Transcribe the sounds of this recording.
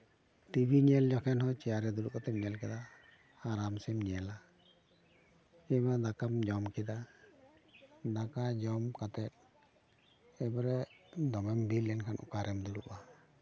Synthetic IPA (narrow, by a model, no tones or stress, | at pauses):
t̪ibʱiɲɛld͡ʒɔkʰɛnɦɔt͡ʃɛjaɾɛd̪ulukat̪ɛp̚ɲɛlkɛd̪a | aɾamsɛmɲɛla | ɛmad̪akamd͡ʒɔmkʰɛd̪a | d̪akad͡ʒɔmkat̪ɛt̪̚ | ɛbaɾɛd̪ɔmɛmbilɛnkʰanʔṵkaɾɛmd̪ulṵʔa